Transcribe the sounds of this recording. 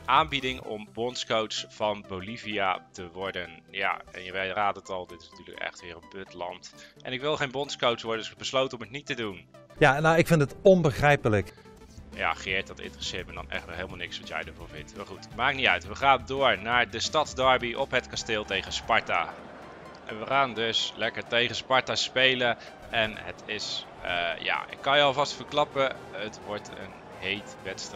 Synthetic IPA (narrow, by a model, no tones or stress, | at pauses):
ʔaːmbidɪŋɔ̰mbɔntskowtsfɑnbowliviatəʋɔɹdənja̰ːɛ̰njəʋɛjraːdənətɑlˠdɪtɪsnatyːɹlə̰kɛ̰χtʋɪːrənbøtlɑ̰ntʔɛnɪkʋɪlˠχejnbɔntskowtsʋɔɹdəndʏsɪkəbəslowtənɔmətnitədun | janawɪkfɪndətɔnbəχrɛjpələk | ja̰ːχiɪːɹtdɑtɪ̰ntərəsɪːɹtmɛndɑ̰nɛ̰χtɛlˠɦelˠmalˠnɪksʋɑtjɛ̰jdəɹvʊːɹvɪntmaːɹχutmaːknitœ̰ɥtʋəχaːndʊːɹnaːɹdəstɑtdɑɹbiʔɔpɦətkasteːlˠtejχəspɑɹta̰ | ʔɛ̰nʋəχaːndɵslɛkəɹtejχəspɑɹtaspejlə | ɛnɦətʰɪs | əja̰ɪ̰kːɑnjəɑlˠvɑstfəɹklɑpə | ɦətʋɔɹtə̰n | ɦejtʋɛtst